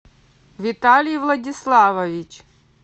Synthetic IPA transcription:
ʋʲit̪alʲijʋlˠɐdʲislˠɑʋɐʋʲit͡ʃ

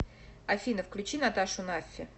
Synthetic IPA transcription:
ɐfʲinəfklʲʉt͡ɕinat̪aʂʊnafʲːɪ

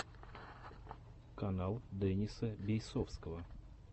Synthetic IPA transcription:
kɐnalˠd̪ɛnʲisəbʲɪjsofskəvə

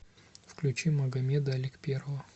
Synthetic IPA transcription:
fklʲʉt͡ɕiməɡɐmʲed̪ɐlʲɪkpʲerəvə

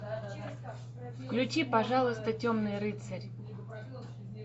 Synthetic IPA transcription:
fklʲʉt͡ɕipɐʐalˠəst̪ətʲomnɨjɾɨt̪sɐrʲ

